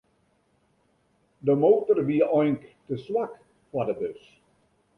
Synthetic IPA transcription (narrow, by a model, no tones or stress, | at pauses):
dəmoːtərʋiəʔɔjnktəswak | fadəbøs